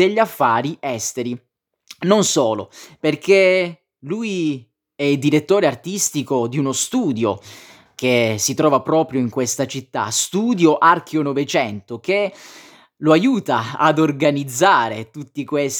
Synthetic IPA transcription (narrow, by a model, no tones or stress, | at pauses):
eʎːafːaːɾiɛst̪eɾi | nonsɔːlo̰perkʰe | luj | ɛild̪iɾet̪ːoːɾeart̪ist̪ikod̪iunost̪uːd̪jo | kesit̪ɾɔːvapɾɔːpɾjoiŋkwest̪at͡ʃit̪ːa̰st̪uːd̪joʔark̟ʰjonovet͡ʃɛnt̪oke | loajuːt̪aa̰d̪orɡanid̪zːaːɾet̪ut̪ːikwes